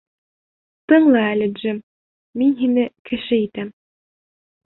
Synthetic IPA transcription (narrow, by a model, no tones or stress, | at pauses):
t̪ɤɴlˠɑælʲɘ̆d͡ʒɘm | minɦinɘkɘ̆ʃɘit̪æm